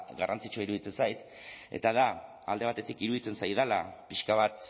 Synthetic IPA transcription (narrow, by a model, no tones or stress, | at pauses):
ɣarant͡sit͡ʃoiɾuðit͡se̞nsajt̪ | e̞̰t̪aða | ald̪e̞β̞at̪e̞t̪ikiɾuðit͡se̞nsajðalapiʃkaβ̞at̪